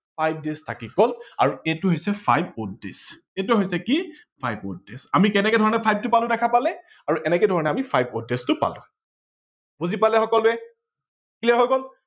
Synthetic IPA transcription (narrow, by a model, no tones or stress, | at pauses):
pʰajb̚destʰakikɔla̰ɹuɛtʊɦojsɛpʰajb̚otdḛs | ɛtʊɦojsɛki | pʰajbo̰tdesamikɛnɛkɛdʱɔɹɔnɛpʰajb̚tʊpalʊ̃dɛkʰapalɛ | aɹuʔɛnɛkɛdʱɔɹɔnɛamipʰajb̚odɛstʊpa̰lʊ̰̃ | buzipalɛxɔkɔlʊɛ | kʰiliaɦojkɔl